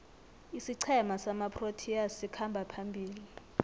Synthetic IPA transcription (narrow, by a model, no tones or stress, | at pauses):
isiǀʰɛmasamapʰʼrotʰiasikʰambʱapʰambʱiːli